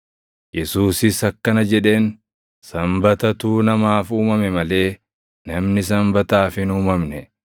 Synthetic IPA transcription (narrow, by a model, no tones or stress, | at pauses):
jɛsuːsɪsɐkːɐnɐd͡ʒɛᶑe̞ːn | sɐmbɐt̪ɐt̪uːnɐmaːfuːmɐmɛmɐle̞ː | nɐmnɪs̬ɐmbɐt̪aːfɪnuːmɐmnɛ